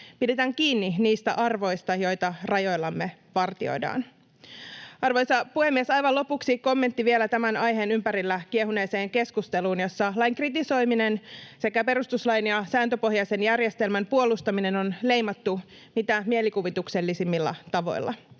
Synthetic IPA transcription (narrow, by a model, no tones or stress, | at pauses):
pide̞t̪æːŋkiːnːiniːst̪æ̰ʔɑrʋo̞jst̪ɑjo̞jt̪ɑrɑjo̞jlːɑmːe̞ʋɑrt̪io̰jdɑ̰ːn | ɑrʋo̞jsɑpuhemːiesɑjʋɑlo̞puksiko̞mːe̞nt̪ːiʋielæt̪æmænɑjɦe̞ːnympæɾilːækieɦune̞ːse̞ːŋke̞skust̪e̞luːnjo̞sːɑlɑjŋkrit̪iso̞jminense̞kæpe̞ɾust̪uslɑjnjɑsæːnt̪øpo̞ɦjɑjse̞njærje̞st̪e̞lmæmpuo̞lust̪ɑmine̞no̞nle̞jmɑt̪ːu | mit̪æmie̞likuʋit̪ukse̞lːisimːilːɑ̰t̪ɑʋo̞̰jlːʔɑ̰